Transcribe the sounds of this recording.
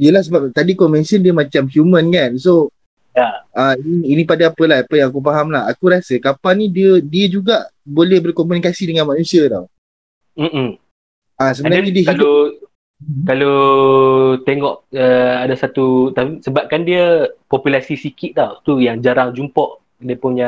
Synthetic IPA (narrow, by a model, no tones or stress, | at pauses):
diəlahsəbap̚t̪adikomɛ̃nsəndiəmãt͡ʃamhjumə̃nkanso | jaainiːnĩpadaapəlaapəjãŋakufaɦamlaɦakuɾasəkapanidiədiəd͡ʒuɡaʔbolɛhbərkɔmunikasidəŋanmanũsiadaw | m̩ | asəbənaɲədiəɦilo | kalo | t̪eŋɔʔəadasat̪ut̪aisəbap̚kandiəpɔpulasisikit̪̚d̪awt̪ujaŋd͡ʒaɾaŋd͡ʒumpɔʔ | diəpʊnja